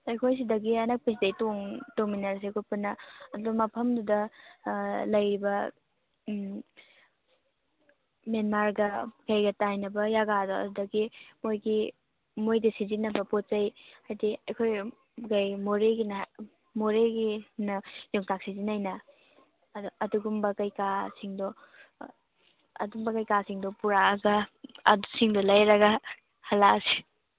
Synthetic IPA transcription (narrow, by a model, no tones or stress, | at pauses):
ɐjkʰojs̬idɐɡiɐnɐk̚pes̬idɐjtoŋtoŋminaɾs̬ekʰopunɐɐdubɐmɐpʰɐmdudɐ | lɐjɾibɐ | menmaɾɡɐɡajɡɐtajnɐbɐjaɡadɔɐ̰dudɐɡimojɡi | mojdɐsizinɐbɐpot̚t͡ʃɐjhajdiɐjkʰoj | ɡajmoɾeɡin | moɾeɡinɐjoŋtak̚sizinajnɐ | dɐduɡumbɐkɐjkasiŋdɔ | ɐ̰dumbɐkajkasiŋdɔpuɾaɡɐɐdusiŋdɔlɐjɾɐɡɐ | hɐlasi̥